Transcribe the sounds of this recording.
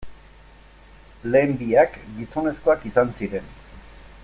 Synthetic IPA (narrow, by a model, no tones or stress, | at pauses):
le̞ːmbiakɡiso̞ne̞sko̞akisansiɾe̞n